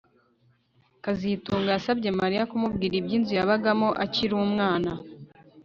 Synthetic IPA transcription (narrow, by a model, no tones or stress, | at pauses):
kazituːŋɡajasab̚ɟe̞maɾijakumubɡiːɾibɟiːnzujaβaɡamoʔaciɾumŋaːna